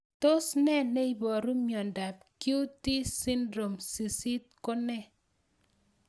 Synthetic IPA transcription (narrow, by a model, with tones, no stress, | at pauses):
to˦snɛ˦ne˦i˦bɔ˨ɾu˦mjɔ˨nda˨p̚ku˦ti˦si˦ndɾo˨msi˨si˦t̚ko˦nɛ˦˨